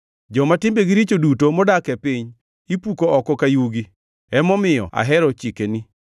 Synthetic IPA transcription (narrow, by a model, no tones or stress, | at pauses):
d͡ʒɔmatɪmbeɡiɾit͡ʃodutomɔdakɛpiɲ | ipukoɔkɔkajuɡi | ɛmɔmɪjɔ̰a̰ɦɛɾɔt͡ʃikeni